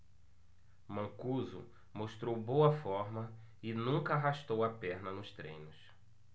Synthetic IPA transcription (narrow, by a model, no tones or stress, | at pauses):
mɐ̃kuzʊ̰ | moʃt̪ɾowbowɐfɔɾmɐ | ɪnũŋkɐaɦaʃt̪owɐpɛɾnɐnʊst̪ɾḛ̃j̃nʊs